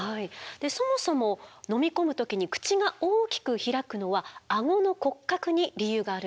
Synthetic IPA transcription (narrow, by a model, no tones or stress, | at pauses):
haid̪̥e̞so̞mo̞so̞mo̞no̞mʲiko̞mɯ̟t̪o̞kʲiɲ̟ikɯ̟̥t͡ɕiɡao̞ːkʲi̥kɯ̟çiɾakɯ̟no̞βaaŋo̞no̞ko̞kːakɯ̟ɲ̟iɾʲijɯːɡaːɾɯ